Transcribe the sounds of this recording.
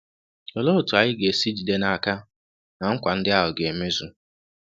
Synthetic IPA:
ɔ˨lo˦˨tu˨a˨jɪ˦ɡe˨si˦d͡ʒi˨de˦na˦a˨ka˦ | na˨ŋ̩˦kʷa˨n̩˦dɪ˦a˦ɦʊ˨ɡe˨e˨me˦zu˦

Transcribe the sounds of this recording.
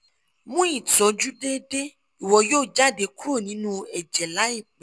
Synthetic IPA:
mũ˦i˦˨tɔ˨˦d͡ʒu˦de˦de˦ | i˨wɔ˨joː˦˨d͡ʒa˦˨de˨˦ku˦ɾo˦˨nĩ˨˦nũ˦ɛ˨d͡ʒɛ˨la˨˦i˦˨k͡pɛ˨

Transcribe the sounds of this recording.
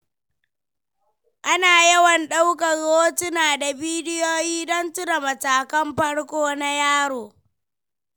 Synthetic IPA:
ʔa˦naː˨jɐ˦wɐ˨nɗa˦wkɐ˨ɣoː˦tʊ˦naː˨da˨biː˦dɪ˦joː˦jiː˦dɔ˦ntʊ˦da˨mɐ˨taː˨kɐ˦mɸɐ˦ɽkʷoː˦na˦jaː˦ɽoː˨

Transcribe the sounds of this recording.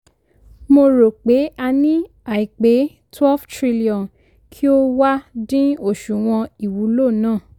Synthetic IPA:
mo˧ɾo˨k͡pe˨˦a˧nĩ˦ | a˨i˨k͡pe˨˦ | twɛ˦ftɾi˦li˦˨ɔ̃˨n | kʰi˦o˦wa˦dĩ˦o˦˨ʃu˨w̃ɔ̃˧i˨wu˨˦lo˦˨nãː˦˨

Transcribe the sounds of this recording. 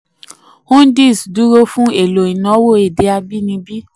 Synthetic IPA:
hũ˦n˦di˦˨sdu˨˦ɾo˧˦fũ˦e˨lo˨i˨nã˨˦wo˦˨e˨de˧a˧bi˦nĩ˧bi˦

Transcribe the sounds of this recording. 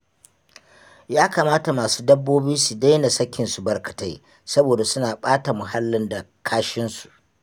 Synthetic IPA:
jaː˦kaː˨maː˦ta˨maː˨su̥ː˦dɐ˦bːoː˦bɪ˦nsu˨da˦jna˨sɐ˦kʲʰːɪ˨nsu˨bɐ˨rkɐ̥˨ta˦j | sɐ˦boː˨da˨sʊ˦naː˨ɓaː˦ta˨mʊ˨ɦa˦lːɪ˦nda˨kʰaː˦ʃɪ˦nsu̥˨ʔ

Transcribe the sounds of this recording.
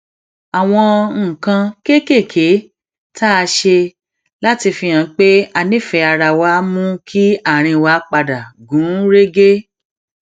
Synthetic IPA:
a˨w̃ɔ̃˧ŋ̩˨kã˧ke˦ke˦˨kʰe˨˦ | ta˦a˧ʃe˧ | la˦ti˧fĩ˧j̃ã˨˦k͡pe˦a˧nĩ˦˨fɛ˨˧a˧ɾa˧˨wa˧˦mũ˦kʰi˦a˦˨ɾ̃ĩ˧wa˨˦k͡pa˧da˨ɡũ˨˦ɾe˦ɡe˦

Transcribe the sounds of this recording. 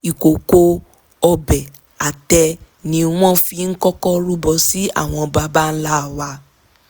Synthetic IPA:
i˨ko˨ko˧ | ɔ˧bɛ˨ | a˨tɛ˧ | nĩ˧w̃ɔ̃˦fi˧n̩˦kɔ˦kɔ˦ɾu˦bɔ˧si˦a̰˦˨w̃ɔ̃˧ba˧ba˦n̩˦la˦˨wa˧

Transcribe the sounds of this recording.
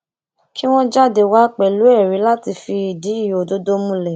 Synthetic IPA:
ki˦w̃ɔ̃˦d͡ʒa˦˨de˧˨wa˦k͡pɛ˨lu˨˦ɛ˦˨ɾĩ˨˦la˦ti˧fi˧i˨di˨˦i˦˨jo˨do˦do˦mũ˧lɛ˨

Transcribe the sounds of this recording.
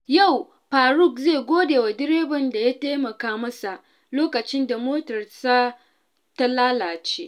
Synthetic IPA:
ja˦˨w | ɸaː˨ɾʊ˦˨kzeː˦˨ɡʷoː˦deː˨wa˨dɪ˦ɾeː˦bɐ˨nda˨ja˦teː˦mɐ˨kaː˦mɐ˦sa˨ʔ | loː˦kɐ˨t͡ʃɪ˦nda˨moː˦tɐ˨rsa˦ | ta˦laː˦laː˨t͡ʃeː˦

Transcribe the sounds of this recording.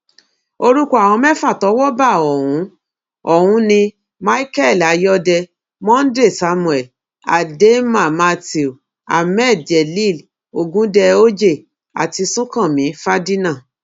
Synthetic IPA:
o˧ɾu˦ko˦a˨w̃ɔ̃˧mɛ˦fa˦˨tɔ˨˦wɔ˦ba˦˨ɔ˨wũ˨˦ | ɔ˨hũ˨˦nĩ˧ | ma˦i˦kɛ˦˨la˨˦jɔ˦dɛ˧ | mɔ̃˦n̩˦de˦˨sa˧˦mũ˨ɛ˨ | a̰˨de˦mã˦˨ma˧ti˨o˨ | a̰˨mɛ˦˨d͡ʒɛ˨li˦˨l | o˨ɡũ˨˦dɛ˧o˦d͡ʒe˦˨ | a̰˨ti˧sũ˦kã˦˨mĩ˨˦fa˦di˦nã˦˨

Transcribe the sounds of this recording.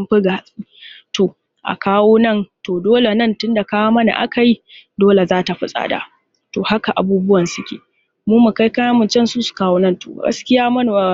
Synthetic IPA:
mɸɪ˦ɡa˨sʼi˦to˨ | ʔa̰˨kaː˦woː˦nɐ˦˨ntoː˨doː˦le˨nɐ˦˨ntʊ˦nda˨kaː˦waː˦mɐ˦na̰˨ʔa̰˦ka˨ji˦doː˦le˨zaː˦ta˨ɸɪ˦sʼa̰ː˨da̰˨ | to˨ha˦ka˨ʔa˨buː˦bʊ˦wɐ˨nsʊ˦kʲḛː˨ | muː˦mu˨ka˦jka˦ja˦mʊ˨nt͡ʃɛ˦nsuː˦su̥˨kaː˦woː˦nɐ˦nto̰˨ɡɐ̰˦skʲɪ˦jaː˦mɐ˦n˨

